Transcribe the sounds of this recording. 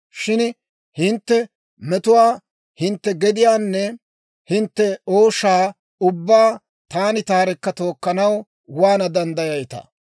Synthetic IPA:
ʃɪn | hɪnt̪ːɛ | mɛt̪ʊwaː | hɪnt̪ːɛɡɛd̪ɪjaːnːɛ | hɪnt̪ːɛoːʃːaː | ʊbːaː | t̪aːnɪt̪aːɾɛkːɐt̪o̞ːkːɐnɐw | waːnɐd̪ɐnd̪ɐjɐjt̪ɐ̰

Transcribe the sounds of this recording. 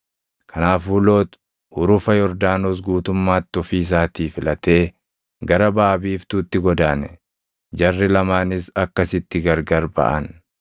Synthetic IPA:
kʰɐnaːfuːlo̞ːt̪ | hʊɾʊfɐjɔɾd̪aːnoːs̬ɡuːt̪ʊmːaːt̪ːɔfiːs̬aːt̪iːfɪlɐt̪e̞ː | ɡɐɾɐbaːbiːft̪uːt̪ːɪɡɔd̪aːnɛ | d͡ʒɐrːɪlɐmaːnɪsɐkːɐsɪt̪ːɪɡɐɾɡɐɾbɐ̰ʔɐn

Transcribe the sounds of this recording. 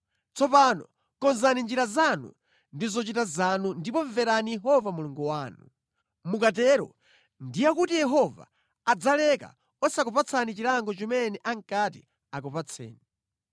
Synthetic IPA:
t͡sʰɔpanɔ̰ | kɔnzanind͡ʒiɾazanṵ | ndizɔt͡ʃitazanundipɔɱvɛɾanijɛɦɔvamuluŋɡuwaːnṵ | mukatɛɾɔ̰ | ndijakutijɛɦɔva̰ː | d͡zalɛka̰ | ɔsakɔpat͡sʰanit͡ʃiɾaŋɡɔt͡ʃimɛnɛʔaŋkati | akɔpat͡sʰɛ̰ːni

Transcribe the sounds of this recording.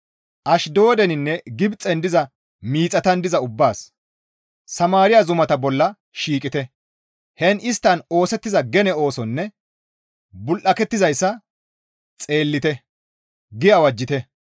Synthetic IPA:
ʔɐʃd̪o̞ːd̪ɛnɪnːɛɡɪbt͡sʼːɛnd̪ɪzɐ | miːt͡sʼːɐt̪ɐnd̪ɪzɐʊbːaːs | sɐmaːɾɪjɐzʊmɐt̪ɐbɔlːɐ | ʃiːkʼɪt̪ɛ | hɛnɪst̪ːɐno̞ːsɛt̪ːɪzɐɡɛnɛo̞ːsɔnːɛ | bʊlʔɐkɛt̪ːɪzɐjsːɐ | t͡sʼe̞ːlːɪt̪ɛ | ɡɪjɐwɐd͡ʒːɪt̪ɛ

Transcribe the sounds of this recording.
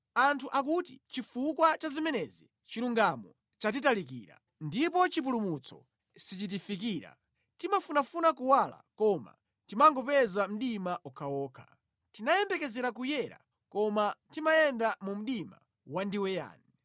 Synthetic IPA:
antʰuʔakutḭt͡ʃifukwat͡ʃazimɛnɛzi | t͡ʃiɾuŋɡamɔ | t͡ʃat̬italik̬ḭːɾa̰ | ndipɔt͡ʃip̬ulumut͡sʰɔ̰ | sit͡ʃit̬ifik̬iːɾa̰ | timafunafunakuwala̰kɔma̰ | timaŋɡɔpɛzam̩ɗimaʔukʰaɔːkʰḁ | tinajɛmbɛkɛzɛɾak̬ujɛɾa̰ | kɔmatimajɛndamum̩ɗima̰ | wandiwɛja̰ːnɛ

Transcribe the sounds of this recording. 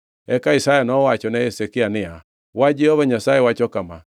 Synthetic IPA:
ɛkaisajenɔwat͡ʃɔnɛesekeanea | wad͡ʒiɔβaɲasaɛwat͡ʃɔkama̰

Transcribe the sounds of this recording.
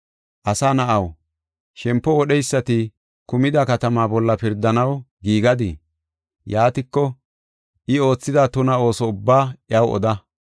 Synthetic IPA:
ʔɐsaːnɐʔɐw | ʃɛmpːɔwɔɗɛjsːɐt̪ɪ | kʊmɪd̪ɐkɐt̪ɐmaːbɔlːɐpɪɾd̪ɐnɐwɡiːɡɐd̪ɪ̰ | jaːt̪ɪkːɔ | ʔɪo̞ːt͡sːɪd̪at̪ʊnɐo̞ːsɔʊbːaːʔɪjɐwɔ̰d̪ɐ

